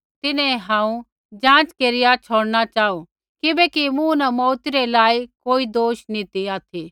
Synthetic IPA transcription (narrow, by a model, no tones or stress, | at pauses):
t̪ɪnẽɦãːũ | d͡ʒãːt͡ʃkeːɾɪjat͡ʃʰoːɽnat͡ʃaːo | kɪbekimũnɐmɔːt̪iɾelaːikoːid̪oːʃnĩt̪iaːt̪ʰi